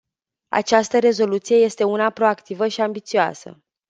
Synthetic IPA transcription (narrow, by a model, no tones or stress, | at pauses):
a̰t͡ʃast̪əɾe̞zo̞lut̪sije̞je̞st̪e̞unapɾo̞akt̪ivəʃiambit̪sioa̰sə̰